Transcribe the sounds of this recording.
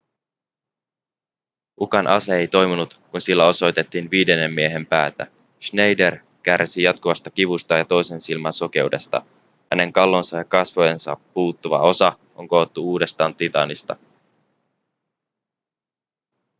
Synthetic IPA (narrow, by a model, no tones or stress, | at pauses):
ʔukɑnʔɑ̰seejt̪o̞jmunut̪kunsilːæo̞so̞jt̪e̞t̪ːiːnʋiːde̞nːe̞mːie̞ɦe̞mpæ̰ːt̪æ̰ | ʃne̞jde̞r | kærsijɑt̪kuʋɑst̪ɑkiʋust̪ɑjɑt̪o̞jse̞nsilmɑnso̞k̟e̞ude̞st̪ɑ̰ | hæne̞ŋkɑlːo̞nsɑjɑkɑsʋojensɑ̰pːuːt̪ːuʋɑ̰o̞sɑ | ʔo̞̰ŋko̞ːot̪ːuuːde̞st̪ɑːnt̪it̪ɑ̰nist̪ɑ̰